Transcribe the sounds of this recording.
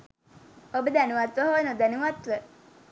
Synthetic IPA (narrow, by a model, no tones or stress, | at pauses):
obəd̪ænuʋat̪ʋəɦoːnod̪ænuʋat̪ʋə